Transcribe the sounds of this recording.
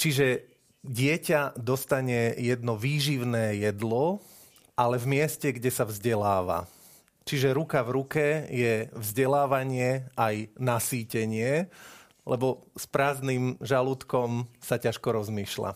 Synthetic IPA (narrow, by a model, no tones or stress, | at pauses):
t͡ʃiʒɛ | ɟɪɛcad̪ɔst̪aɲɛjɛd̪nɔʋiːʒiʊnɛːjɛd̪lɔ | ʔalɛvmɪɛscɛɡɟɛsavzɟɛlaːʋa̰ | t͡ʃiʒɛɾukavɾukɛjɛvzɟɛlaːʋaɲɪɛʔajnasiːcɛɲɪɛ | lɛbɔspɾaːzniːmʒalut̪kɔmsacaʃkɔɾɔzmiːʃla̰